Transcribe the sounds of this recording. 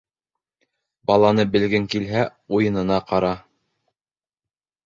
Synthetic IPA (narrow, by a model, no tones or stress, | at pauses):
bɑlˠɑnɤbɘ̆lɡɘŋkilɦæujɤ̆nɤ̆nɑqɑɾɑ